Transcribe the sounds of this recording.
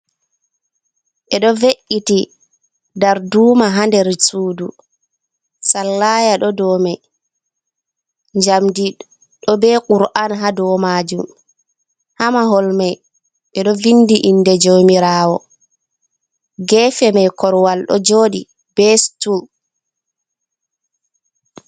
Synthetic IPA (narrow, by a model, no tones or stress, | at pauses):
ʔɛɗɔveʔːiti | daɾduːmaɦandɛɾsuːdu | salːaːjaɗɔdɔmɛj | ɲd͡ʒamdi | ɗɔbɛkuɾʔanɦadɔmaːd͡ʒum | hamaɦɔlmɛj | ɓɛɗɔvinːdiʔinːdɛd͡ʒomiɾaːwɔ | ɡɛfɛmɛjkɔɾwalɗɔ̰d͡ʒoːɗi | b̥ɛstul